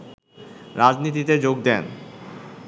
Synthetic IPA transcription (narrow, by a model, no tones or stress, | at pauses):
ɾad͡ʑnit̪̬it̪ed͡ʑoɡ̚d̪ɛn